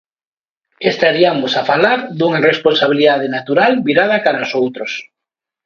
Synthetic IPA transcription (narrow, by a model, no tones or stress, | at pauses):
est̪aɾiamosafalaɾd̪uŋaresponsaβ̞iliðað̞enat̪uɾalβiɾað̞akaɾaosowt̪ɾos